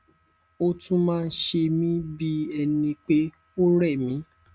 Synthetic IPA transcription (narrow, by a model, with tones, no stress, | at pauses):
o˦tũ˦mãː˦˧n̩˦ʃe˧mĩ˦bi˦ɛ˧nĩ˧k͡pe˦ | o˦ɾɛ˦˨mĩ˨˦